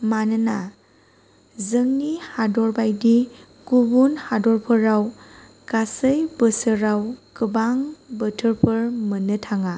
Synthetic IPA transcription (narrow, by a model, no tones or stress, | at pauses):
manɯna | zɯŋnihadɔɾbajdi | kubunhadɔɾpʰəɾaw | kasɯjbəsɯɾawkɯbaŋbətʰɯɾpʰɯɾmənɯtʰaŋa